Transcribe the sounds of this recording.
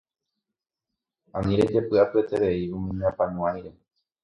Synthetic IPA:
ãmĩɾed̪epɨʔapet̪eɾeiumĩɲeãpanũãiɾe̞

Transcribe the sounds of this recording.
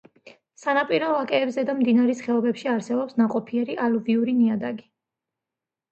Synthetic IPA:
sanapʼiɾɔlakʼɛːbzɛd̪amd̪inaɾɛsχɛɔbɛpʃiaɾsɛbɔpsnaqʼɔpʰiɛɾiʔaluviuɾiniad̪aɡi

